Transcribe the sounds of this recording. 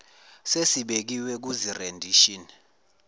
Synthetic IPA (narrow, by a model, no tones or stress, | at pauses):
sesiɓek̬iwɛk̬uzirendʱiʃini